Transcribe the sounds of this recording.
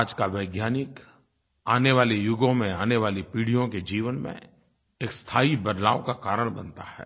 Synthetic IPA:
d͡ʒkaʋəɪɡjaːnɪk | aːneʋaːlejʊɡõmẽaːneʋaːlipiːɽijõked͡ʒiːʋənmḛ̃ | eːkst̪ʰaːibəd̪la̰ːʋkakaːɾəɽ̃bɐ̃nt̪ahɛ̰ː

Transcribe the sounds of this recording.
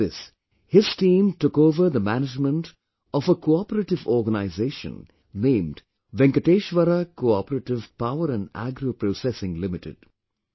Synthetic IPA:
ɪs | hɪz̥ʈĩːmʈʊkoːʋəɾd̪əmænɪd͡ʒmə̃nʈ | ɔfəkʰoɔpəɾəʈɪʋɔːɾɡənaɪzeːʃə̰̃n | nẽːmɖ | ʋɛ̃ŋkəʈeːʃʋəɾakoɔpəɾəʈɪʋpaʊəɾæ̃nɖæ̰ɡɾopɾoːsɛsɪ̃ŋlɪmɪʈɪ̰ɖ̥

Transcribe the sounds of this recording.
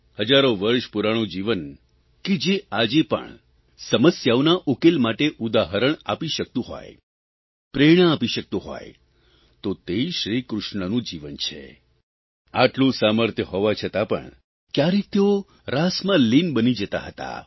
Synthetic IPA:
həd͡ʒaɾoʋəɾʃpuɾaɽ̃ũd͡ʒiʋən | ked͡ʒead͡ʒepə̰ɳ | səməsjaonaʔokelmaʈeʔud̪aɦəɾəɳa̰piʃək̚t̪ũɦɔ̰j | pɾeɽ̃əapiʃək̚t̪ũɦɔ̰j | t̪ot̪eiʃɾikɾʊʃɳənũd͡ʒiʋənt͡ʃʰḛ | aʈlũsaməɾt̪ʰjəɦoʋat͡ʃʰət̪apə̰ɳ | kjaɾet̪eo | ɾasmãlinbənid͡ʒət̪a̰ɦət̪a̰

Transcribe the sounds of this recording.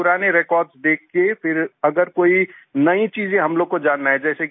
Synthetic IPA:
pʊɾaːneɾeːkɔːɾɖsd̪eːk̚ʰkefʰɪɾɐɡəɾkoːinɐĩt͡ʃiːzẽɦɐmloːɡ̚kod͡ʒaːnːaɦɛ̃d͡ʒɛːsek

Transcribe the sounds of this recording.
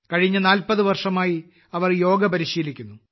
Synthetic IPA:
kɐɻiɲːɐnaːlpɐðɨʋɐrʂɐmaːji | ɐʋɐrjo̞ːɡɐpɐɾiɕiːlikʲːunːu

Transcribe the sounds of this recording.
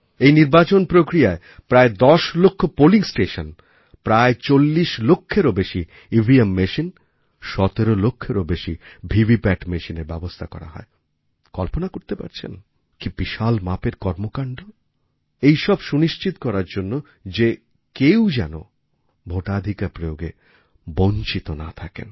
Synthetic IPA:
ejniɾbat͡ɕonpɾokɾijae | pɾaed̪ɔʃlokʰːopoliŋsʈeʃon | pɾaet͡ɕolːiʃlokʰːeɾobeʃi | ibʱiemːeʃin | ʃɔt̪eɾolokʰːeɾobeʃibʱibipɛʈmeʃineɾbɛ̰bost̪ʰakɔ̰ɾa̰ɦɔ̰e | kɔlponakoɾt̪epa̰ɾt͡ɕʰḛn | kibiʃalmapeɾkɔɾmokaɳɖo | ejʃɔbʃuniʃt͡ɕit̪okɔɾaɾd͡ʑonːo | d͡ʑe | kewd͡ʑɛno̰ | bʱoʈad̪ʱikaɾpɾojoɡḛ | boɲt͡ɕit̪onat̪ʰakḛn

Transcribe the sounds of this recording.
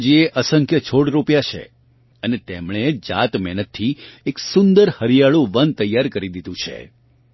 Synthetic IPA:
d͡ʒieʔəsəŋkʰjət͡ʃʰoɽɾopjat͡ʃʰḛ | ənet̪emɳed͡ʒa̰t̪mɛnət̪ʰːieksʊnd̪əɾhəɾijaɭũʋən̚t̪əjːaɾkəɾid̪id̪ũt͡ʃʰḛ

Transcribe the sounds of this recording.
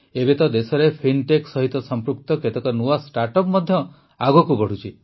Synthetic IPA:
ebet̪ɔd̪esɔɾepʰinʈeksɔɦit̪ɔsɔmpɾuk̚t̪ɔket̪ɔkɔnuasʈaɾʈɔpmɔd̪ʱjɔ | aɡɔkubɔɽ̤ut͡ʃʰi

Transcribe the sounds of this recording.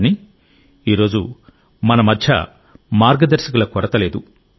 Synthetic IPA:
ni | iːɾo̞ːd͡ʒu | mɐnɐmɐd̪ʱjɐ̰ | maːɾɡɐd̪ɐɾsɐkulɐkɔɾɐt̪ɐle̞ːd̪u

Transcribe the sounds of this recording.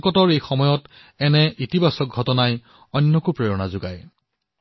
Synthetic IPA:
kɔtɔɹejxɔmɔjɔt | ɛnɛʔitibasɔk̚ɡʱɔtɔnaj | ɔjnːɔkupɹeɹɔnazʊɡa̰j

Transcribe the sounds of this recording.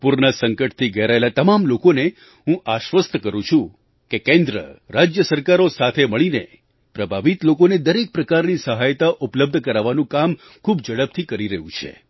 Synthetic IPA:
puɾnasəŋkəʈ̚t̪ʰiɡəɾaelat̪əmamlokone | ɦũʔaʃʋəst̪ʰəkəɾũt͡ʃʰũ | kekẽnd̪ɾə̰ɾad͡ʒjəsəɾkaɾosat̪ʰeməɭinḛ | pɾəbʱaʋit̪lokoned̪əɾek̚pɾəkaɾnisəɦajt̪aʔupləb̚d̪ʱəkəɾaʋanũkam | kʰubd͡ʒəɽəb̚t̪ʰikəɾiɾəɦũt͡ʃʰḛ

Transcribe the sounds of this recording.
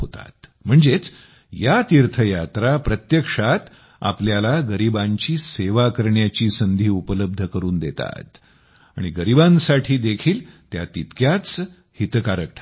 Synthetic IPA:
ɦot̪a̰t̪m̤əɳd͡zet͡s | jat̪iɾt̪ʰəjat̪ɾapɾət̪jəkʂat̪ | a̰pljalaɡəɾibãɲt͡ɕiːseʋakəɾɳjat͡ɕiːsənd̪ʱiːupələb̚d̪ʱəkəɾuːnd̪et̪a̰t̪ | a̰ɽ̃iɡəɾibãnsaʈʰiːd̪ekʰiːlt̪jat̪it̪kjat͡s | hit̪kaɾək̚ʈʰa

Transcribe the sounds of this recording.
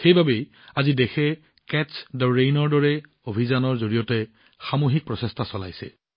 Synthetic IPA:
xejbʱabej | azidexʰɛ | kɛtsdɔɹejnɔɹdɔɹɛ | obʱizanɔɹzoɹijɔtɛ | xamoɦik̚pɹɔsɛstʰasɔla̰jsɛ̰

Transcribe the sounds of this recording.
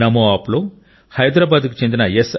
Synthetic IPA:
nɐmoaːploː | hɐjd̪ɾaːbaːd̪ku̥t͡ʃend̪inɐjes

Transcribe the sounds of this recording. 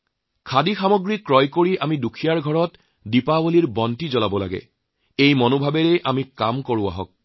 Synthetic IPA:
kʰadixamoɡɹikːɹɔjkoɹiʔamidukʰijaɹɡʱɔɹɔt | dipawoliɹbɔntizɔlabɔla̰ɡɛ̰ | ejmɔnobʱabɛɹɛʔamikamkoɹʊa̰ɦɔk̚

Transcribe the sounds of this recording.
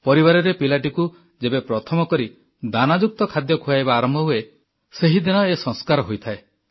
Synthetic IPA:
pɔɾibaɾɔɾepilaʈiku | d͡ʒebepɾɔt̪ʰɔmɔkɔɾi | d̪anad͡ʒuk̚t̪ɔkʰad̪jɔkʰujajbaːɾɔmbʱɔɦue | seɦid̪inɔesɔ̃ŋskaɾɔɦojt̪ʰae

